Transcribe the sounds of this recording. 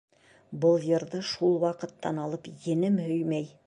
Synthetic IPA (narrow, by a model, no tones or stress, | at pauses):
bɤlˠjɤ̆ɾðɤʃulˠwɑqɤ̆t̪ːɑnɑlˠɤpjĕnɘmhɵjmæj